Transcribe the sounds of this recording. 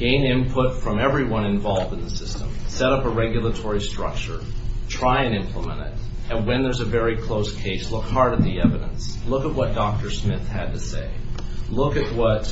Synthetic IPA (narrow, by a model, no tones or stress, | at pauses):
ɡ̥ẽɪ̃nɪ̃npʰʊtfɹʌ̃mɛvɹiwʌ̃ñɨ̃ɱvɑlˠvdɨ̃n̩ðəsɪstə̰̃msɛɾʌpəɹɛɡjl̩ˠətʰɔɹistɹ̥ʌ̰k̚t͡ʃə˞tʰɹ̥aɪɨ̃nɪ̃mpʰləmə̰̃ñtɪ̰ɾ | ɨ̃nwɨ̃nðə˞zɨvɛɹikʰl̥oʊskʰeɪslʊkhɑɹɾɨt̪̚ðiɛvɨɾə̰̃nslʊkət̚wʌt̚d̥ɔk̚tə˞smɪθhɨd̚tɨseɪlʊkɨʔ̚wʌt̚